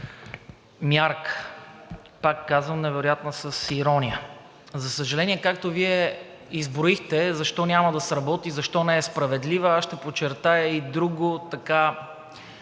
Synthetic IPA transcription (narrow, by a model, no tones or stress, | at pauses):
mʲjaɾk | pakːazvəmnɛvɛɾojat̪nɐsəsiɾɔnʲijə | zɐsəʒɐlɛnʲiɛkakt̪oviɛ | izbɾoixt̪ɛzɐʃt̪ɔnʲamɐd̪ɐsɾɐbɔt̪izɐʃt̪ɔnɛɛspɾɐvɛd̪livəaʃt̪ɛpot͡ʃɛɾt̪ajəid̪ɾuɡoʊt̪ɐka